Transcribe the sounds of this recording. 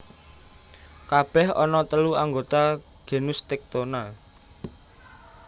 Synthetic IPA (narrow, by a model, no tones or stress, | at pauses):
kab̥ɛhɔnɔt̪əluaŋɡot̪a | ɡ̥e̤nʊst̪ɛk̚t̪onal